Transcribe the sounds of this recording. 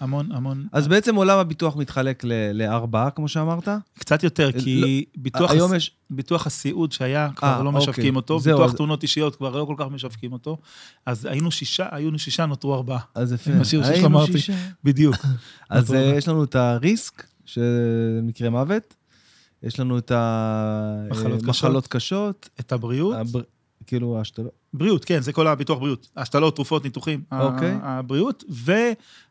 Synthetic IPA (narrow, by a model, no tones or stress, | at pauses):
amonamonʔazbeet͡se̞mo̞lamabit̪uaχmit̪χale̞kleleaʁbaakmo̞ʃeamaʁt̪akt͡sat̪jo̞t̪e̞ʁkilbituaajo̞mjeʃ | bit̪uaχasiʔudʃeajakvaaʁlo̞meoʃavkimo̞t̪ozieuuaχt̪muno̞t̪iʃijo̞t̪kvaʁlo̞ko̞lkaχme̞ʃavkimoto̞ | aza̰jinuʃiʃaʔajinuʃiʃanot̪ʁuaʁbaaazafeaʃiʁamaʁibidjukʔazjeʃlanuetaʁisk | ʃemikʁe̞mave̞t | jeʃlanueta | mχlotkaʃalo̞t̪kaʃo̞t̪etabʁiut | kiːluaʃtal | bʁiutke̞nzeko̞labituaχbʁijutaʃtalo̞tːʁufo̞tnituχimaokejbʁiutve̞